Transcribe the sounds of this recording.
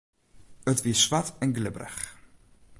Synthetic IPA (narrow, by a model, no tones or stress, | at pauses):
ətʋiəsʋatɛnɡlɪbrə̰x